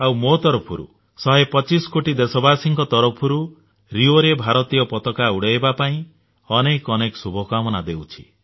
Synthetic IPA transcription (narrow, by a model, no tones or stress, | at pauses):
awmot̪ɔɾɔpʰɔɾṵ | sɔɦepɔt͡ʃisɔ̥koʈid̪esɔbasiŋkɔt̪ɔɾɔpʰɔɾu | ɾioɾebʱaɾɔt̪ijɔpɔt̪ɔkauɽejbapaĩ | ɔnekɔnekɔsubʱɔkamɔnad̪ewt͡ʃʰi̥